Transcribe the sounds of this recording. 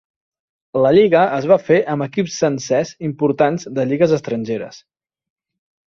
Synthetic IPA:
ləʎiɣəəzβ̞afeʔəməkipsːənsɛzimpuɾt̪anzd̪əʎiɣəzəst̪ɾənʲʒeɾə̰s

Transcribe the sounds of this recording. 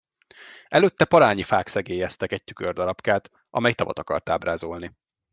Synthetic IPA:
ɛløːt̪ːɛpɒɾaːɲifaːksɛɡeːjɛst̪ɛkɛɟ̚t̪y̥kørd̪ɒɾɒpkaːt̪ | ʔɒ̰mɛjt̪ɒvɒ̰t̪ɒkɒ̰rt̪aːbraːzo̞lni

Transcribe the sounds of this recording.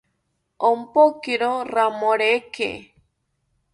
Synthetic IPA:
ompokiɾoɾamoɾekḛ

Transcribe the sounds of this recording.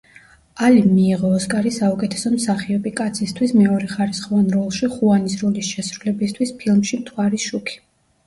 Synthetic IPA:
alimiːʁɔːskʼaɾisaukʼɛt̪ʰɛ̥sɔmsaχiɔpʼikʼat̪sʰist̪ʰwismɛɔɾɛχaɾisχɔvanɾɔlˠʃiχuanisɾɔlisʃɛsɾulɛbist̪ʰwispʰilˠmʃimt̪ʰwaɾiʃukʰi̥

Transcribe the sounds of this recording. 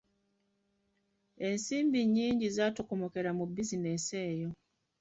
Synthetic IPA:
e̞nsiːmbiɲːiːɲɟizaːtokomoke̞ɾamubːizinese̞ːjo̞

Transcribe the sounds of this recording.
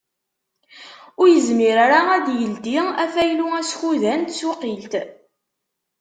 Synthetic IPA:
ʊɾjəzmiɾaɾaæd̪jəld̪iæfæjluæsçuðænt̪swqilt̪

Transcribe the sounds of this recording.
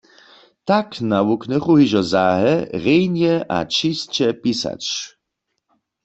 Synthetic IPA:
t̪aknawuknɛχuɦiʒɔzaːɦɛʁejnjɛʔa̰t͡ʃist͡ɕɛpisa̰t͡ʃ

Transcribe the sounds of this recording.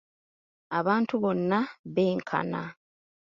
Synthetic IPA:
aβaːntuβo̞nːaβeːŋkʰa̰na

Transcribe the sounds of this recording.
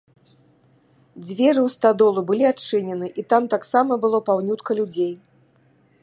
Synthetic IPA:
d͡zʲvʲɛɾɨwst̪ad̪ɔlˠubɨlʲiatt͡ʂɨnʲɛnɨʔit̪amt̪aksamɐbɨlˠɔpawnʲut̪kɐlʲud͡zʲej

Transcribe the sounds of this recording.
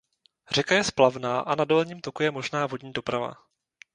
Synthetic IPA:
r̝ɛkajɛsplavnaːʔanadolɲiːmt̪o̞kujɛmo̞ʒnaːvo̞dɲiːdo̞pɾava̰

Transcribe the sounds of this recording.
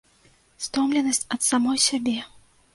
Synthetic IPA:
st̪ɔmlʲɛnɐsʲt͡sʲɐt̪samɔjsʲabʲɛ

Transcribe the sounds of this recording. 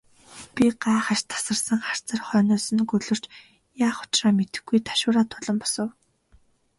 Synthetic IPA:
pʲiɢaːχăʃt̪ʰḁsə̆rsə̆ŋχar̥t͡sə̆rχœːnʊːsɵ̆nkɵɮɵ̆r̥t͡ɕ | jaːχʊ̥t͡ɕraːmet̪ɘ̆xɡujt̪ʰḁʃʊːɾaːt̪ʰʊɮɞ̆mpɔ̥sə̆w

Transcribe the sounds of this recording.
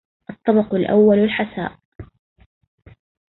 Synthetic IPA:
ʔɑt̪ˤːɑbɑqʊlʔa̰wːalalħasa̰ːʔ

